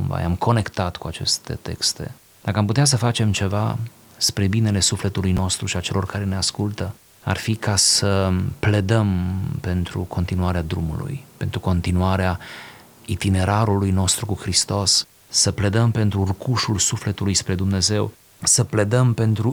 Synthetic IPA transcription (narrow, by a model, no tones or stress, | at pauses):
umva̰jamkʰo̞ne̞kt̪at̪kuat͡ʃe̞̰st̪e̞̰t̪e̞̰kst̪e̞̰ | d̪̥akəamput̪eas̬əfat͡ʃe̞mt͡ʃe̞va̰ | spɾe̞bine̞le̞sufle̞t̪ulujno̞st̪ɾuʃiat͡ʃe̞lʔo̞rkaɾeneaskult̪ə | a̰rfikasəple̞d̪əmpe̞nt̪ɾṵkʰo̞nt̪inuaɾead̪ɾumṵlṵjpe̞nt̪ɾuko̞nt̪inuaɾea | it̪ine̞ɾaɾulujno̞st̪ɾukuxɾist̪o̞sː | əple̞d̪əmpe̞nt̪ɾurukuʃulsufle̞t̪ulujspɾe̞d̪umne̞ze̞w | səple̞d̪əmpe̞nt̪ɾu